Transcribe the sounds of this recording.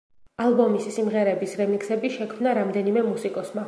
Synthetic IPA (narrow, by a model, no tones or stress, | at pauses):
alˠbɔmisːimʁɛɾɛbisɾɛmiksɛbiʃɛkʰmnaɾamd̪ɛnimɛmusikʼɔsma